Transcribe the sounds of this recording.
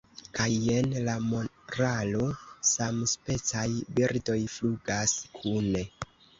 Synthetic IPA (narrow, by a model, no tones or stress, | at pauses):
kaje̞nlamo | ɾalo̞samspe̞t͡sajbiɾdo̞jfluɡaskʰune̞